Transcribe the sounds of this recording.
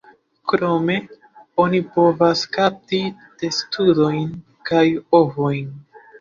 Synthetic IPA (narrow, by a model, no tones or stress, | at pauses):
kɾo̞me̞ | o̞nipo̞vaskap̚tide̞studo̞jn | kajo̞vo̞jn